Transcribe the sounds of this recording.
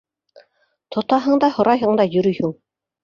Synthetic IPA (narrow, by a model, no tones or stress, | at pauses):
t̪ʰŏt̪ɑɦɤɴd̪ɑhŏɾɑjɦɤ̆ɴd̪ɑjɵ̆ɾɵjhɵɴ